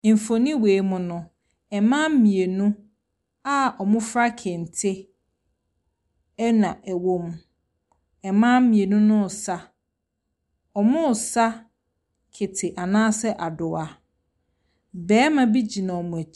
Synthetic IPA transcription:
m̩˨fo˨nĩ˦weː˨˦mʊ̃˨nʊ̃˨ | ɛ˨mã˦m̩˦mĩ˨e˨nũ˦ | a˦ɔ˨mʊ̃˦fɾa˦kʰɪ˨n̩˨tʰɪ˦ | nã˨ʔæ˨wõ˦m | ɛ˨mã˦mĩ˨e˨nũ˦nʊ̃˦˨sa˦ | ɔ˨mʊ̃˦˨sa˦ | kʰɪ˨tʰɪ˨ʔa˨nãː˦sɛ˦ʔa˨dʊ˨a˨ | bɛː˦mã˦bi˦d͡ʑi˨nã˨ɔ˨mʊ̃˨æ˨˦

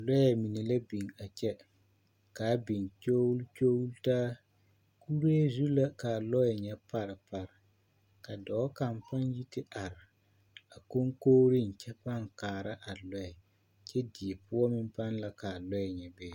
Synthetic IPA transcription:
lɔ˦jɛ˨mi˨ni˨la˦bi˨ŋa˨t͡ʃɛ˦ | kaː˨˦bi˨nt͡ʃo˦wlt͡ʃoː˦wltaː˦ | ku˦ɾe˦zu˦la˦ka˨lɔ˦jɛ˨ɲɛ˨pa˨ɾɪ˨pa˨ɾɪ˨ | ka˨dɔː˨˦ka˨mpa˦nji˦tɪ˦ʔa˨ɾɪ˨ | a˨ko˦ŋkoː˦ɾi˦˨n̩˨t͡ʃɛ˦pa˦˨ŋkaː˨ɾa˦ʔa˨lɔ˦ɛ˨ | t͡ʃɛ˦di˨ɛ˨pʊ˦ɔ˦mɪ˦mpa˦nla˦ka˨lɔ˦jɛ˨ɲɛ˨bɛː˦

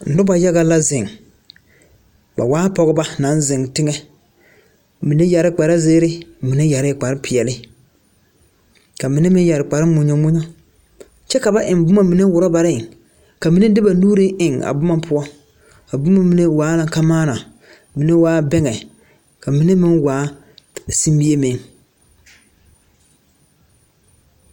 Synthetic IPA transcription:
n̩˨dʊ˦ba˨ja˦ɣa˦la˦zɪ˨ŋ | ba̰˨waː˦pɔ˨ɣɪ˦ba˦na˨˦n˦zɪ˨ŋtɪ˦ŋɛ˦ | mi˨ne˦ja˨ɾɪ˦k͡pa˨ɾa˦zeː˦ɾɪ˦mi˨ne˦ja˨ɾɪ˦˨k͡pa˨ɾɪ˦pɪ˨ɛ˨lɪ˦ | ka˨mi˨˦ne˦mɪ˦n˦ja˨ɾɪ˨k͡pa˨ɾɪ˦mʊ˨ɲo˨mu˦ɲɔ˦ | t͡ʃɛ˦ka˨ba˦ʔɪ˨n˦bʊ˦ma˨mi˨ne˦wʊ˨ɾɔ˦ba˨ɾɪ˦˨ | ka˨mi˦nɛ˦dɪ˦ba˨nuː˦ɾɪ˦ʔɪ˨ŋa̰˨bʊ˦ma˦pʰʊ˦ɔ˦ | ka˨bʊ˦ma˦mi˨ne˦waː˨˦la˨ŋka˦maː˦na˨ | mi˨nɛ˦waː˦bɛ˦ŋɛ˨ | ka˨mi˨˦nɛ˦mɪ˦nwaː˨˦ | si˦m˦bi˦e˦meː˨m

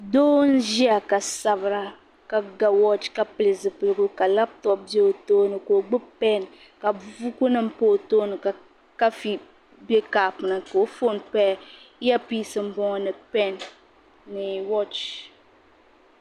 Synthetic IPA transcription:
doː˦n̩˦ʒi˦a˨ka˨sa˨βɨ˨ɾa˦ | ka˨ɡa˨wɔ˦t͡ʃka˨pɨ˨lɨ˨zɨ˨pɨ˦lɨ˦˨ɡʊ˦ka˨la˦p̚tɔ˦p̚bje˦o˨toː˦nɨ˨ko˨ɡ͡bɨ˦pɛ˦n | ka˨vu˦ku˦nɨ˦m̩˦po˦˨toː˦nɨ˨k | ka˦fi˦ | be˦kaː˨pɨ˨na˨ko˨o˦fo˦˨npɛ˦ja˦piː˦sɨ˦m̩˦bɔ˦ŋɔ˦nɨ˨pɛ˦nː | ɨ˨wɔ˦t͡ʃ

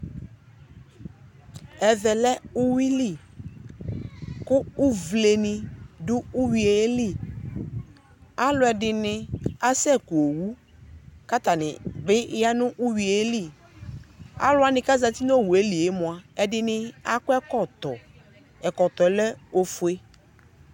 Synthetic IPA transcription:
ɛ˨ðɛ˨lɛ˦ʊ˦wi˦li˦ | kʊ˦ʊ˦vle˨ni˨dʊ˦ʊ˦wi˨e˨˦li˦˨ | a˦lʊ˨˦ɛ˨dɪ˨nɪ˦a˦sɛ˦˨ku˨o˨wu˦ | ka˦t̪a˨nɪ̰˨bɪ˦ja˦nʊ̃˦ʔu˦wi˨e˨˦li˦˨ | a̰˦lʊ˦a˦nɪ̃˨ka˦za˨t̪i˦n˦o˦˨wu˨e˦li˨e˦mʊ̃˨a˨ɛ˨dɪ˨nɪ˦a˦kʊ˦ɛ˦kɔ˦˨t̪ɔ˨ | ɛ˨kɔ˨t̪ɔ˨˦lɛ˦o˨fʊ˦e˦

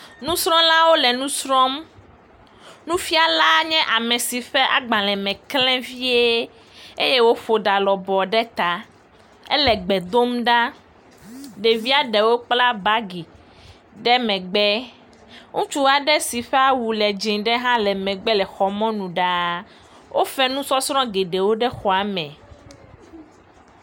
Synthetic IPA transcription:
nũ˦sɾɔ̃˦lã˦wo˦lɛ˨nũ˦sɾɔ̃˦m | nũ˦fi˦a˨la˦ɲɛ̃˦ʔa˨mɛ̃˨si˨ɸɛ˦ʔa˦ɡ͡bã˨lɛ̃˨mɛ̃˨klɛ̃˦vi˦e˦ | e˦je˦wo˦fo˨ɖa˨lɔ˨bɔ˨ɖɛ˦t̪a˨ | ɛ̰˦lɛ˨ɡ͡bɛ˨d̪o˦mɖa˦ | ɖe˨vi˦a˦ɖɛ˨wo˦k͡pla˦ba˦ɡi˨ | ɖɛ˦mɛ̃˨ɡ͡bɛ˦ | ŋũ˦t͡ʃu˦a˨ɖɛ˦si˨ɸɛ˦a˦wu˨lɛ˨d͡ʒĩ˨ɖɛ˦ɦã˦lɛ˨mɛ̃˨ɡ͡bɛ˦lɛ˨xɔ˨mɔ̃˦nũ˨ɖa˨ | wʔo˦fɛ˦nũ˦sɔ˦sɾɔ̃˦ɡe˨ɖe˨wo˦ɖɛ˦xɔ˨a˨mɛ̃˨

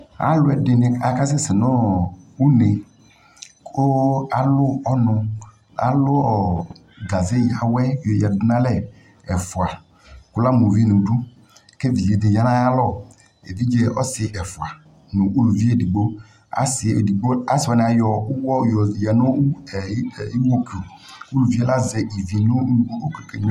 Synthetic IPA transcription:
a̰˦lʊ˦ɛ˨dɪ˦nɪ˦a˨ka˦s̬ɪ˦sɪ˨nɔ˦u˦ne˨ | kʰo˦a˨lʊ˦ɔ˦nʊ˧ | a̰˨lʊ˦ɔ˦ | ɡa˨zɪ˦˨ja˨wɛ˦˨jɔ˨jɛ˨ddɪ˦na˦lɛ˦˨ | ɛ˨fʊ˨a˨ | ku˨la˦mu˨ve˦˨nu˨du˦ | ke˦˨vi˨e˨d̪e˨ja˨˦na˦ja˦lɔ˦˨ | ḛ˨vi˦d͡ʒe˦ɔ˦sɪ˨ʔɛ˨fʊ˨a˨ | nʊ˨ʔu˦lu˨vi˦e˦˨di˨ɡ͡bo˦ | a̰˨˦sɪ˨di˨ɡ͡bo˦a˨˦sɪ˨ɔ˨nɪ˨a˨jɔ˨u˦wɔ˦˨jɔ˨jɛ˨nʊ˦˨˦i˦wo˦ki˨o˨ | u˦lu˨vi˦ɛ˦la˦zɛ˨ʔi˨vi˨nʊ˦˨˦o˦kke˨ɲ˦

